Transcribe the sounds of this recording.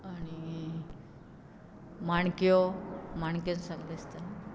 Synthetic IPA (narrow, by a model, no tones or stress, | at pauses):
aɽ̃i | maɳkjɔmaɳkjãnsãŋɡlest̪a